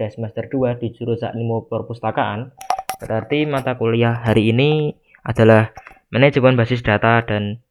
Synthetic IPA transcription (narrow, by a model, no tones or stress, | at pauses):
d̥asmast̪ərd̥uad̪̥i̤d͡ʒ̥uɾusa̰ʔnimupɔrpust̪akaʔanb̥əɾʔart̪imat̪akuliaɦaɾiːni | ʔad̥a̤lahmənɛ̥d͡ʒ̥əpʊnbasɪs̬d̥a̤t̪aɖ̥a̤n